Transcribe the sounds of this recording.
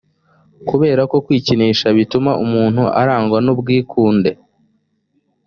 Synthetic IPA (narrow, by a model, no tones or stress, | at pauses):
kuβe̞ːɾako̞kwiːciniːʃaβitumaʔumuːn̥huʔa̰ɾaːŋɡwanubɡiːkʰuːnde̞